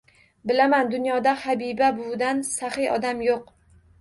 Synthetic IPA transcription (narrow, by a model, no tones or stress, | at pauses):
bɪlamand̪ʊnjɒd̪ahabibabʊd̪ansahɪʔɒ̰d̪amjoq